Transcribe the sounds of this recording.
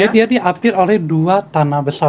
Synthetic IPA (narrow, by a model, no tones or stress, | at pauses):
adiadiʔapɪrolɛhduat̪anabəsa